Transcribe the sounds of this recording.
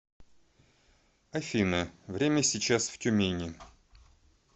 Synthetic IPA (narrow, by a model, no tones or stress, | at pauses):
ɐfʲinəvɾʲemʲəsʲɪt͡ɕasftʲʊmʲenʲɪ